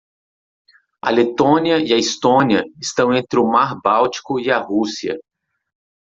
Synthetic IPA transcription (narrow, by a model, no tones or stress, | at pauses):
ɐ̰let̪õniɐiɐist̪õniɐɪst̪ɐ̃w̃ẽnt̪ɾɪʊmaɾbawt͡ʃi̥kʊiɐhusiɐ̰